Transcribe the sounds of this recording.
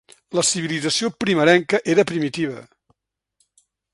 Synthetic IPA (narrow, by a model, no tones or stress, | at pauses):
ləsiβ̞ilid͡zəsiopɾiməɾɛŋkəʔeɾəpɾimit̪iβ̞ə̰